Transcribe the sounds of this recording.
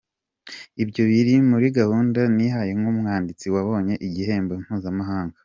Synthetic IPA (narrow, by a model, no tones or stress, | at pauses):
ibɟo̞βiɾimuɾiɡahuːndaniɦaje̞ŋɡumŋaːndit͡siwaβo̞ːɲe̞ʔiɟihe̞ːmbon̥huːzamaɦaːŋɡa